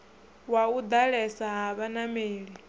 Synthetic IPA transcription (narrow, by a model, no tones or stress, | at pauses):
waud̪aɺɛsaɦaβanameːɺi